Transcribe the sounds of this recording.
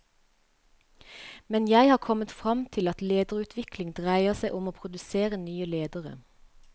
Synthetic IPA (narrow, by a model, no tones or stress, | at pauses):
mɛnjæɪhɑːkʰɔmət̪fʁɑmt̪ʰɪlɑt̪leːd̪əʁʉːt̪ʰʋɪklɪŋd̪ʁæɪəʁsæɪʔʊmoːpʰʁʊd̪ʉseːʁənyːəleːd̪əʁə̰